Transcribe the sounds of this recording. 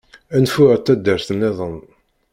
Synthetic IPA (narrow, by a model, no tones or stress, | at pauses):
ænfʊʁət̪ːæd̪ːəɾθənːeðˤən